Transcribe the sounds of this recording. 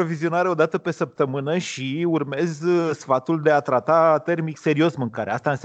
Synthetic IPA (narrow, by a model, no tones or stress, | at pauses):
ovizio̞naɾeo̞d̪at̪əpe̞səp̚t̪əmɨnəʃiurme̞zsfat̪uld̪e̞at̪ɾat̪at̪e̞rmikse̞ɾio̞smɨŋkaɾeast̪aɨns